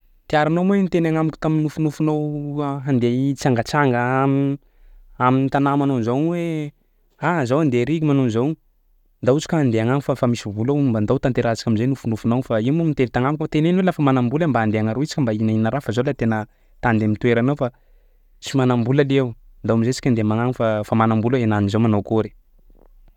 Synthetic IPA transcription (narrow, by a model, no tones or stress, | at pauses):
t̪iaɾanoment̪enaŋamikʲu̥t̪aminufunufunowɦand̪et͡saŋɡat͡saŋɡəami | aminit̪anamanonzawnwe | azawand̪eɾiɡimanunzaw | nd̪aut͡si̥kʲaand̪eaŋaŋfafamisivulaumband̪awt̪ant̪eɾat͡sḁkʲamizenufunufunowfaimumint̪evit̪aŋamikot̪enenwelafamanambulambaːnd̪eaŋaɾoit͡si̥kʲəmbainaiinaɾafazolat̪enə | t̪and̪emit̪ueɾanawfa | t͡simanambulalewnd̪aamizet͡si̥kʲand̪emaŋaŋifafamanambulaenanizowmanowkoɾe̥